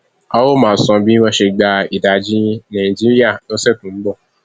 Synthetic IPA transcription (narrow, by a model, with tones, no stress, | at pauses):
a˦wo˦mãː˨˦˨sɔ̃˧bi˦mɔ̃˧˦ʃe˧ɡ͡ba˧i˨da˨d͡ʒi˦nã˨ĩ˨d͡ʒi˦ɾi˦a˦˨nõ˦sɛ˦˨tũ˨˦m̩˦ɡ͡bɔ˦˨